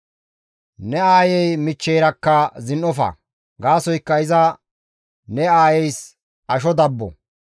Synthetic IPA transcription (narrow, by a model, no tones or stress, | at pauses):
nɛaːjɛjmɪt͡ʃːejɾɐkːɐzɪnʔɔfɐ̰ | ɡaːsɔjkːɐɪzɐ | nɛaːjɛjs | ʔɐʃ̬ɔd̪ɐbːɔ̰